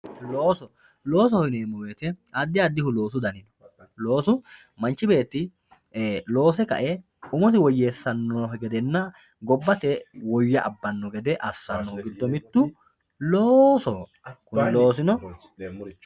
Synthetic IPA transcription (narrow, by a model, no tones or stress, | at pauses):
loːsɔ | lo̞ːs̬ɔhɔɪneːmːɔweːt̪ɛɐd̪ːɪɐd̪ːɪhʊlo̞ːs̬ʊd̪ɐnɪnɔ̥ | lo̞ːsʊ | mɐnt͡ʃːɪbe̞ːt̪ːɪ | lo̞ːsɛkɐ̰ʔɛ | ʊmɔt̪ɪwɔjːeːsːɐnːɔfɛɡɛd̪ɛnːɐ | ɡɔbːɐt̪ɛwɔjːɐʔɐbːɐnːɔɡɛd̪ɛʔɐsːɐnːɔʊɡɪd̪ːɔmɪt̪ːʊ | loːsɔ | kʊnɪlo̞ːs̬ɪnɔ